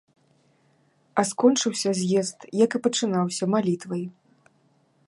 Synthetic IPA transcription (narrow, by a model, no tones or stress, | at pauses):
ɐskɔnt͡ʂɨwsʲɐzʲjɛst̪jɐkɨpɐt͡ʂɨnawsʲɐmalʲit̪vɐj